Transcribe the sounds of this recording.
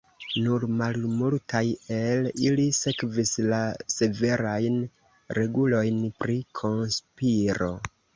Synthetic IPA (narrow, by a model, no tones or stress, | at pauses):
nuɾmalmultʰaje̞lilise̞kvislase̞ve̞ɾajn | ɾe̞ɡulo̞jnpɾikʰo̞nspiɾo̞